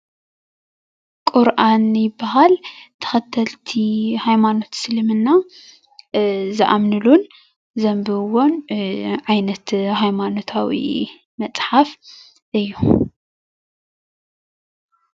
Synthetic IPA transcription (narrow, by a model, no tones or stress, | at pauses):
kʼuɾʔanjɪbːaɦalt̪ʰɐ̥xɐt̪ʰːɐlt̪ʰihajmano̞t̪sɨlɨmɨnːa | zɨʔamnɨlun | zɐmbɨwonʕajnɐt̪hajmano̞t̪ʰawḭ | mɐt͡sʼħaf | ʔɨjːu